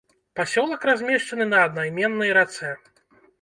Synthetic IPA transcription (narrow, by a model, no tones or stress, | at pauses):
pasʲɔlˠɐkrazʲmʲɛʂt͡ʂɐnɨnɐːd̪̚najmʲɛnːɐjɾat̪sɛ